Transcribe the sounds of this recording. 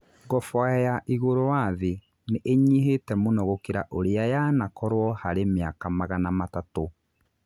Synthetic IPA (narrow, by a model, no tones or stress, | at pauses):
ɡɔfɔɛjaʔiɣoɾowaðe | neʔeɲiɦetɛmonɔɣokeɾaʔoɾeajanakɔɾwɔhaɾemeakamaɣanamatato